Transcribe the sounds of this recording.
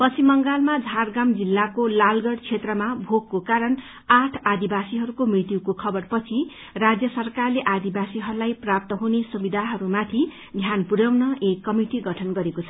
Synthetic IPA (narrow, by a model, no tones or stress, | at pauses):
pʌt͡sʰimʌŋɡalmad͡zʱarɡamd͡zilːakolalɡʌɽt͡sʰet̪rʌmabʱoɡkokaɾʌn | aʈʰad̪ibasiɦʌɾukomrit̪jukokʰʌbʌrpʌt͡sʰi | rad͡zjʌsʌrkarleʔad̪ibasiɦʌɾulajprap̚t̪ʌɦunesubid̪ʱaɦʌɾumat̪ʰi | d̪ʱjanpuɾʌwnʌekːʌmiʈiɡʌʈʰʌnɡʌɾekot͡sʰʌ